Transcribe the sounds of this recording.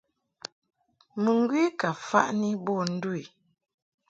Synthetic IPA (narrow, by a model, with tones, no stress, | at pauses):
mə˨ŋ̩˦ɡwi˦ka˨fa̰˦ʔni˦bɔ˦˨n̩˦du˦i˨